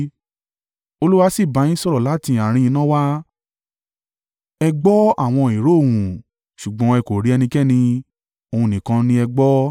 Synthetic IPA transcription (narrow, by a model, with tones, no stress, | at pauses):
o˧lu˦wa˦si˦˨bã˨˧˦ĩ˦sɔ˦ɾɔ˨la˨˦tĩ˧a˨ɾ̃ĩ˧ĩ˧nã˦wa˦ | ɛ˧ɡ͡bɔ˦a˦˨w̃ɔ̃˧i˨ɾo˦˨wũ˨ | ʃu˨ɡ͡bɔ̃˨˦ɛ˧ko˨ɾi˦ɛ˧nĩ˧kɛ˦˨nĩ˧ | o˧ũ˧˨nĩ˨kã˧nĩ˧ɛ˧ɡ͡bɔ˦